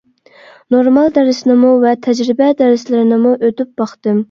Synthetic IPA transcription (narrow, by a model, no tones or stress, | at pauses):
noɾmɑlˠd̪ɛɾɪsnɪmuvɛt̪ʰɛd͡ʒɾɪbɛd̪ɛɾɪslɪɾɪnɪmuʔøt̪yp̚bɑχt̪ɨm